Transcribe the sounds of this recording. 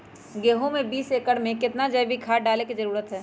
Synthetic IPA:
ɡeːɦõmẽbiːseːkəɽmẽkɪt̪nad͡ʒɐjbʱikʰaːʈɖaːlekizɐɾuːɾət̪ɦɛː

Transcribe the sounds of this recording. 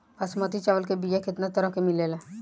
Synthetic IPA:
ɐsmət̪it͡ʃaʋəlkebijekɪt̪nat̪əɾəɦkemɪlelẽː

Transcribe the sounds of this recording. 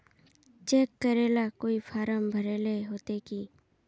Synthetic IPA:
t͡ʃeːkːəɾeːlakoːifʰaːɾəmbʱəɾeːleɦoːt̪eːkiː

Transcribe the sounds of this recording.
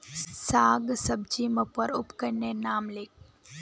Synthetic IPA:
saːɡsəb̚d͡ʒiməpəɾʊpkəɾnenaːmleːk

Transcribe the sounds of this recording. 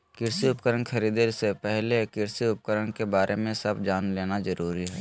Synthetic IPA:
kɪɾsiʊpkəɾənkʰɐɾiːd̪esepɛɦlekɪɾsiʊp̚kəɾəɳkebaːɾʔemẽsɐbd͡ʒaːnleːnazɐɾuːɾiɦɛː

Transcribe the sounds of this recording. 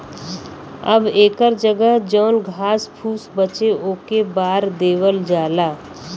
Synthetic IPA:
ə̰beːkəɾd͡ʒəɡəɦd͡ʒɔːnɡʱaːspʰuːsbət͡ʃeʔoːkebaːɾd̪eːwəld͡ʒaːlaː

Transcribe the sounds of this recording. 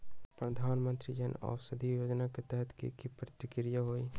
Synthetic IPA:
pɾɐd̪ʱaːnmə̃nt̪ɾid͡ʒənɔ̰ːʋsɐd̪ʱijoːd͡ʒnaket̪ɛɦt̪kḭkipɾət̪ɪkɾijaɦoːi

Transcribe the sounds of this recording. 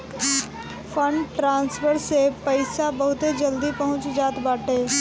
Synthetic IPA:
pʰə̃ɳɖʈɾãːnsfʰəɾsepəɪsabɐɦʊt̪ed͡ʒəld̪ipɐɦʊ̃t͡ʃd͡ʒaːt̪baːʈeː

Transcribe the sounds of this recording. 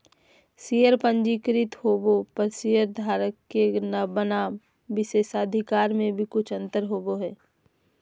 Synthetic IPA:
siːjəɾpə̃ɲd͡ʒikɾɪt̪hoːbopɐɾsiːjəɾd̪ʱaːɾəkːenəbənaːm | ʋɪseːsaːd̪ʱɪkaːɾmẽbʱikʊt͡ʃʰə̃nt̪əɾɦoːboɦɛː

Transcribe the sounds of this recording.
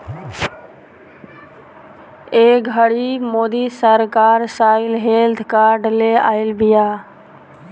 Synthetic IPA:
eːɡʱəɽimoːd̪isəɾkaːɾsaːɪlɦeld̪kaːɾɖlea̰ːɪlbɪjaː

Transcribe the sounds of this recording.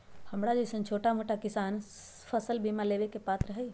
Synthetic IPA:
həmɽad͡ʒosənt͡ʃʰoːʈamoʈakɪsaːn | fʰəsəlbʱimaleːʋekepaːt̪ɾəɦəi

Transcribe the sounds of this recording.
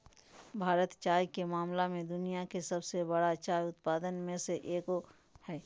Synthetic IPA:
bʱaːɾət̪t͡ʃaːjkemaːmlamẽd̪ʊnijakesɐbsebɐɽat͡ʃaːjʊt̪paːd̪ənmẽseʔeːko | hɛː

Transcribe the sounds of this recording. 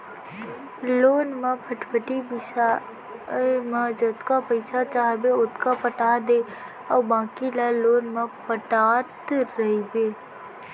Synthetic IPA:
loːnmãpʰəʈpʰəʈibɪ | mad͡ʒət̪kapəɪsat͡ʃaːɦbeʊt̪kapəʈaːd̪eː | ɔːbãːkilaloːnmãpəʈaːt̪ɾəɦibeː

